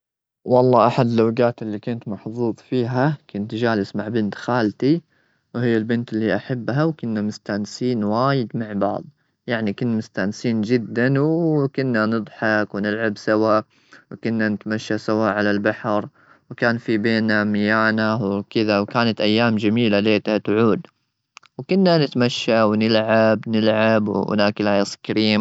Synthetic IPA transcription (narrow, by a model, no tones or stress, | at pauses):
wɑlˤːɑːʔaħad̪lawɡaːt̪ɪlːikʊnt̪mɑħðˤuːðˤfiːɦakʊnt̪d͡ʒaːlɪsmaʕbɪnt̪xaːlt̪i | whɪjːalbɪnt̪ɪlːiʔaħabːɦawkʊnːamʊst̪aːnsiːnwaːjɪd̪maʕbɑ̰ʕðˤ | jaʕnikʊnːmʊst̪aːnsiːnd͡ʒɪd̪ːanwkʊnːanɨd̪ˤħɑkwɪnɪlʕabsawa | wkʊnːanɪt̪maʃːasawaʔʕalalbaħɾ | wkaːnfibeːnamɪjaːnawkɪðawkaːnat̪ʔajːaːmd͡ʒamiːlaleːt̪hat̪ʕuːd̪ | wkʊnːanɪt̪maʃːawnɪlʕabnɪlʕabw̰ʊ̰naːkɪlaːjaskaɾiːm